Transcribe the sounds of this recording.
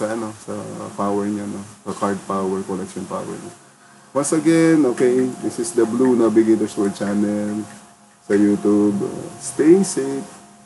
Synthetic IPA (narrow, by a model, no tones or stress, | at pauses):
sɐɐnosɐ̰paːwɛɹɲanosɐkaɹd̪̚pawɛɹkɔlɛkʃɔnpa̰ːwɛ̰ɹɲa | wɐ̃nsɐɡɛnʔoːkejd̪ɪsɪsd̪ɐblunɐbɪɡet̪ɛswɛɹt͡ʃanɛl | sɐjuːt̪ubɐ̰st̪ejsep